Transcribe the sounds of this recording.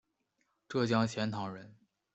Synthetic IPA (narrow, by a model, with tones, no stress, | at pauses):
ʈ͡ʂɤ˥˩t͡ɕjɑ˥ŋt͡ɕʰjɛ˧˥nt̪ʰɑ˧˥ŋɻə˧˥n